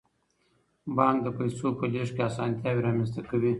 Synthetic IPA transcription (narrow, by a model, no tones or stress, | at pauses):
bɑŋkd̪əpɐjsopəleʃkʲeasɑnt̪ʲjaːwiɾɑmʲast̪ɐkɐwi